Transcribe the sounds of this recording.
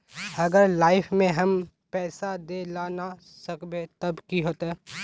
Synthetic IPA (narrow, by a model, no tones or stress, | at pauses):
ɐɡəɾlaːɪpʰmẽɦɐm | pɛːsad̪elaːna | səkbet̪ɐbkiɦoːt̪ɛː